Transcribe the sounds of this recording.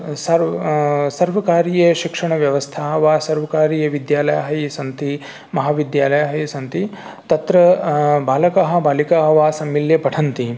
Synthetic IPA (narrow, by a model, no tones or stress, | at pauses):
sɐɾsɐɾʋɐkaːɾijɐʃikʂɐɳɐʋjɐʋɐst̪ʰaːɦɐʋaːsɐɾʋɐkaːɾijɐʋid̪jaːlɐjaɦɐjisɐnt̪i | mɐɦaːʋid̪jaːlɐjaɦɐjɐsɐnt̪i | t̪ɐt̪ɾɐbaːlɐkaɦɐ̆baːlikaːɦɐʋaːsɐmːiljɐpɐʈʰɐnt̪i